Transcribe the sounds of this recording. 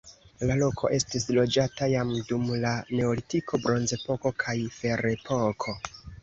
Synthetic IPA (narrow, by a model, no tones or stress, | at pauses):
lalo̞kʰo̞̰ʔe̞stislo̞d͡ʒatajamdumlane̞olitikʰo̞bɾo̞nze̞po̞ko̞kʰajfe̞ɾe̞pʰo̞kʰo̞